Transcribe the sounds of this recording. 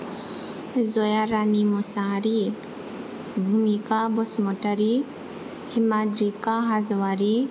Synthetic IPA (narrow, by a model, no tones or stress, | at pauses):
zojaɾanimɔsaɾi | bʱumikabɔsmɔʈəɾi | hɪmad͡ʒɾikaɦazʋaɾi